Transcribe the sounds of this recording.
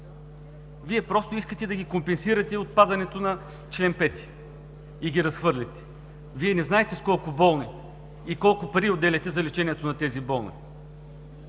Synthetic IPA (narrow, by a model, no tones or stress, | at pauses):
viɛpɾɔst̪ʊiskət̪ɛd̪ɐɡʲikompɛnsiɾɐt̪ɛot̪̚pad̪ɐnɛt̪onɐ | t͡ʃlɛnpɛt̪i̥ | iɡʲiɾɐsxvɤɾlʲit̪ɛ̥ | viɛnɛznaɛt̪ɛskɔlˠkʊbɔlˠni | ikɔlˠkʊpɐɾiod̪ːɛlʲɐt̪ɛzɐlit͡ʃɛniɛt̪onɐt̪ɛzibɔlˠnḭ